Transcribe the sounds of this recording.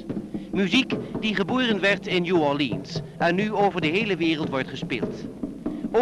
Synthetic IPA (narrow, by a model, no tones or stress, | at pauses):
myzikdiχəboːrənʋɛɹtɪnjuɑlḭns | ɛnːyowvəɹdəɦejləʋɪːrəlˠtʋɔɹtχəspḛːlˠt | o